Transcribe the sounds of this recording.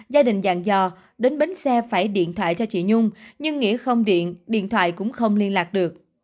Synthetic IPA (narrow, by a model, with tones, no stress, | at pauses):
zaː˧ɗï˨˩ŋ̟za̰ː˧˨ŋzɔ˧˩ | ɗe˨˦nɓe˨˦nsɛ˧faː˧˩jɗḭ˧˨ənt̪ʰwa̰ː˧˨jt͡ɕɔ˧t͡ɕḭ˧˨ɲʊ˧ŋ͡mɲɨ˧ŋːḭ˧˥əxə˧wŋ͡mɗḭ˧˨ənɗḭ˧˨ənt̪ʰwa̰ː˧˨jkʊ̰˧˥ŋ͡mxə˧wŋ͡mli˧ənlaː˨˩k̚ɗɨ˨˩ək̚